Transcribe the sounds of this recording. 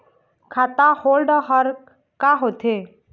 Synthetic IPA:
kʰaːt̪ahoːlɖɦəɾ | kaɦot̪ʰe

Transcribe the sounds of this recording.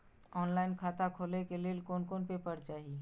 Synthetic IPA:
ɔːnlaɪnkʰat̪akʰolekelelkonkonpepəɾt͡ʃaːɦi

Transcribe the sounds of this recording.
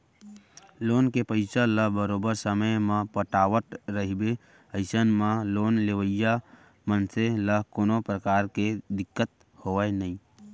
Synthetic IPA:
loːnkepəɪsələɦbəɾobəɾsəməjmãpəʈaːʋəʈ̪ɾəɦibe | əɪsənmãloːnleʋəja | mənseləɦkoːnopɾəkaːɾked̪ɪkːət̪̚ | hoʋɛnəĩ

